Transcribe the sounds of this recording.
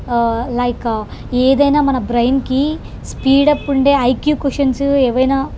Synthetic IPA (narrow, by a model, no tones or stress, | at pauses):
lɐjkɐ | eːd̪ɐjnaːmɐnɐbɾɐjnki | spiːɽɐpːuɳɖeːɐjkjuːkuʂɐnsueːʋɐjnaː